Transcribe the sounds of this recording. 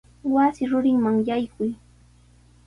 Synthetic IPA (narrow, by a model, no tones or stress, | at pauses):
wasɪɾʊɾɪŋmaŋjajkʊj